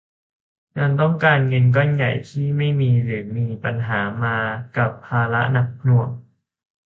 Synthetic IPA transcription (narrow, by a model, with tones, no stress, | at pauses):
ŋa˧nt̪ɔ˥˩ŋkaː˧nŋɤ˧nk̬ɔ˥˩nja˨˩jt̪ʰiː˥˩ma˥˩jmiː˧ɾɯː˩˦miː˧pa˧nɦaː˩˦maː˧ka˨˩pʰːaː˧la̰˦˥na˨˩k̚pʰnu˧˩əŋ